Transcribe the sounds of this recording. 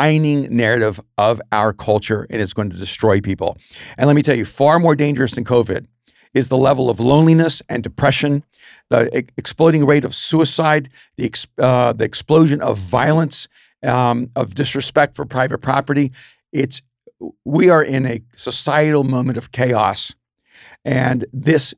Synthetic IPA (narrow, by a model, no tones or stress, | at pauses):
ãɪ̃nɪ̃ŋnɛɹɨɾɪvʔʌvaʊə˞kʰʌlˠt͡ʃə˞ɨ̰̃nɨtsɡ̥oʊɪ̃ŋtʰɨdɨstɹ̥ɔɪpipl̩ˠɨ̃nlɛt̚mitʰɛlˠjɨfɑɹmɔɹdẽɪ̃nd͡ʒə˞ɨsðɨ̃nkʰoʊvɪ̰ɾ | ɨzðəlɛvl̩ˠʌvlõʊ̃nlinɨsʔɨ̰̃ndɨpʰɹ̥ɛʃɨ̃n | ðiɨksploɪɾɪ̃ŋɹeɪɾʌv̥suɨsaɪd̪̚ | ðiɨksðiɨksploʊʒɨ̃nʌ̰vːaɪlˠə̃ns | ʌvdɨsɹɨspɛk̚tfə˞pʰɹ̥aɪvɨt̚pʰɹ̥ɑpə˞ɾi | ɪts | wiə˞ʔɪ̃nɨsəsaɪɨɾl̩ˠmõʊ̃mɨ̃ɾ̃ʌv̥kʰeɪɔ̰s | ʔɨ̃nðɪs